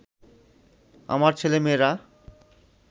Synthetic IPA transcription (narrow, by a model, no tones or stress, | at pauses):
a̰maɾt͡ɕʰelemeɾa